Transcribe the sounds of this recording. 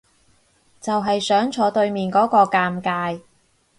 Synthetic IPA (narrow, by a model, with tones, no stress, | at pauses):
t͡sɐ˨wɦɐ˨jsœː˨˥ŋt͡ʃʰɔː˨˥t̪ɵ˧ɥmiː˨nkɔː˨˥kɔː˧kaː˧mkaː˧j